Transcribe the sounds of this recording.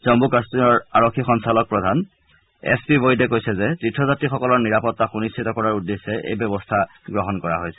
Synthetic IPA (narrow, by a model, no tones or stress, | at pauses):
zɔmbukastinɔɹaɹokʰːixɔnsalɔk̚pɹɔdʱan | ɛ̰spibojdɛkojsɛzɛtɹitʰːɔzatɹixɔkɔlɔɹniɹapɔtːaxunist͡ʃʰitɔkɔɹaɹudːesːɛʔḛjbɔbɔstʰa | ɡɹɔɦɔnkɔɹa̰ɦojsɛ̥